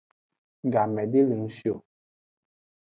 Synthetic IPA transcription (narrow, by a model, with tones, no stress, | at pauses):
ŋ̩˨ɡa˨mɛ˨di˦li˨˦ŋ˦sjo˨